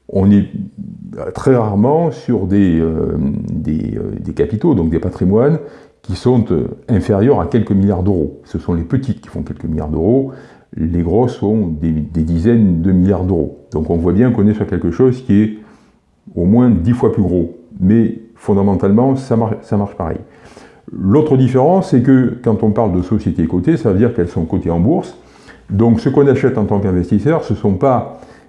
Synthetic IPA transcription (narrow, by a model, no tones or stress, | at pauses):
ɔ̃nɛ | t̪χɛʁaʁmɑ̃syʁd̪eø̰d̪ḛø̰d̪ekapit̪od̪ɔ̃k̚d̪epat̪χimwan | kʲisɔ̃t̪ø̰ɛ̃feʁjœʁakʲɛlkəmiljaʁd̪øʁosəsɔ̃lepət̪it̪kʲi̥fɔ̃kʲɛlkəmilja̰ʁd̪əʁo | leɡʁɔsɔ̃d̪ed̪ed̪izɛnd̪əmiljaʁd̪øʁo̰d̪ɔ̃kɔ̃vwabjɛ̃kɔ̃nesyʁkʲɛlkəʃɔzkʲiɛ | omwɛ̃d̪ifwaplyɡʁomɛfɔ̃d̪amɑ̃t̪almɑ̃samaʁʃsamaʁʃpaʁɛ̰j | lot̪χəd̪ifeʁɑ̃sːɛkəkɑ̃t̪ɔ̃paʁld̪əsɔsjet̪ekot̪esavəd̪iʁkɛlsɔ̃kot̪eɑ̃buʁs | d̪ɔ̃ksəkɔ̃naʃɛt̪ɑ̃t̪ɑ̃kɛ̃vɛst̪isœʁsəsɔ̃pa